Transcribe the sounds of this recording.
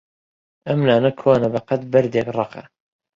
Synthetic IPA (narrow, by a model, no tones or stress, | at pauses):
ʔɐmnaːnɐkʰoːnɐbɐqɐt̪bɐɾd̪ekrˤɑqɑ̰